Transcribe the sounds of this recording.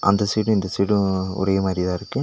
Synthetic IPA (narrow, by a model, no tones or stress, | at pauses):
ʔɐ̰nd̪ɐsiːʈɯ̃ɪnd̪ɐsiːɽɯ̃ʊ̰ɾɐjɐmaːd̪ɾɪðãːɪɾɯkːɯ